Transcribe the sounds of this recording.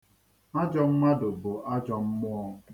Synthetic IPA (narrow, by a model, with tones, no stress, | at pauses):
a˦d͡ʒɔ˨m̩˦ma˦dʊ˨bʊ˨ʔa˦d͡ʒɔ˨m̩˦mʊ˦ɔ˦